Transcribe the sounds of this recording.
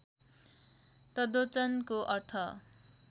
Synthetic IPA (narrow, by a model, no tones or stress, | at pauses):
t̪ʌd̪ot͡sʌnkoʔʌrt̪ʰʌ